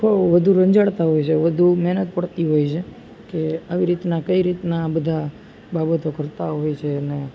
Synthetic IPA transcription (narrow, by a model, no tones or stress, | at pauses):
kʰoʋəd̪ʱuɾəɲd͡ʒaɭt̪aɦojt͡ʃʰeʋəd̪ʱumɛɦnət̪pəɽt̪iɦojt͡ʃʰe | keaʋiɾit̪nakəiɾit̪nabəd̪ʱa | babət̪okəɾt̪aɦojt͡ʃʰeəne